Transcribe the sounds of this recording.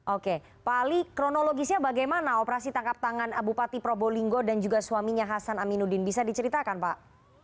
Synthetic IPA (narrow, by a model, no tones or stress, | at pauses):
ʔoke | palikɾonoloɡisɲabaɡajmanaopəɾasit̪aŋkap̚t̪aŋanabupat̪ipɾoboliŋɡodand͡ʒuɡasuamiɲaɦasanaminudɪnbisadit͡ʃəɾit̪akanpaʔ